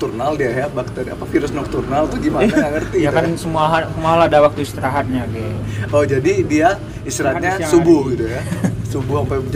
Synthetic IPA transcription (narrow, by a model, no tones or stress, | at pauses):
t̪urnaldiajabakə̥t̪adia̰pafiɾʊsnɔk̚t̪urnalt̪ʊhɡimanaaŋərt̪ijakansəmuaɦasəmuaɦaladawak̚t̪uist̪iɾaɦat̪̚ɲaɡɛohd͡ʒadidia | ist̪iɾat̪ɲasubʊɡit̪ujasubuhampa